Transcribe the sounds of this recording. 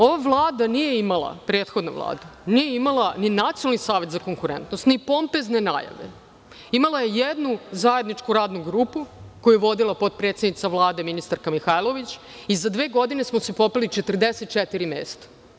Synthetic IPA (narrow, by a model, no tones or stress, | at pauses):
o̞ʋavlˠaːd̪anije̞imalˠa̰pɾeːt̪xod̪noʋlˠa̰ːd̪unijeimalˠaninat̪sionalˠnisaːʋe̞t̪zako̞ŋkuɾḛnt̪nost̪nipo̞mpeznena̰ja̰ʋḛ | imalˠaje̞jed̪nuzaje̞d̪nit͡ʂkuɾaːd̪nuɡɾuːpukojujeʋo̞d̪ilˠapo̞t̪̚pɾet̪sed̪nit̪saʋlˠaːd̪e̞minist̪aɾkamixajlˠo̞ʋit͡ɕ | izad̪ʋe̞ːɡo̞d̪ine̞smosepopilit͡ʃet̪r̩d̪eset̪̚t͡ʃet̪iɾimḛːst̪ḁ